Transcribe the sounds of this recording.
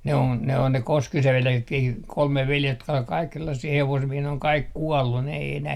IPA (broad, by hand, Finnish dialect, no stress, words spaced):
ne on ne on ne koskiseʋ ʋeljeksetkiː kolme ʋeljest jotkɑ ol kɑik selːɑsːiː heʋosmiehiː ne oŋ kɑik kuɔlːun ne ei enæh